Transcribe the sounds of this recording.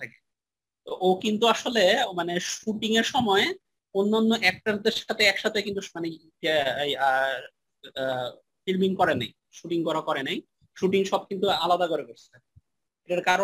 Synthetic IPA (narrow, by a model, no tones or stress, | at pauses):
t̪ʰake̥ | t̪oʔokint̪uaʃolemaneʃuʈiŋeɾʃɔmɔe | onːanːoʔɛk̚ʈaɾd̪eɾʃat̪ʰeɛkʃat̪ʰekint̪umane | ja | filmiŋkɔɾenaj | ʃuʈiŋkɔɾakɔɾenaj | ʃuʈiŋʃɔb̚kint̪ualad̪akoɾekoɾt͡ɕʰe | eʈaɾkaɾo